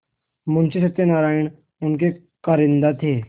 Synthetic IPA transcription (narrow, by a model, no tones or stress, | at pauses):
mʊnt͡ʃes̬ɐk̚t̪enaːɾaːɪɽ̃ | ʊnk̬e | kɐɾɪ̃nd̪at̪ʰeː